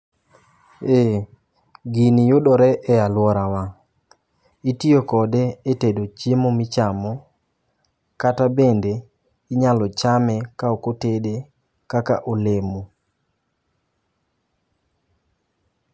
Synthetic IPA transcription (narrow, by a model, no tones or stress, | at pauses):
e | ɡinijʊdɔɾɛʔɛalwɔɾawa | itiokɔdɛːtedot͡ʃemomɪt͡ʃamɔ | katabende | iɲalɔt͡ʃamɛkaokotede | kaka̰ʔolemo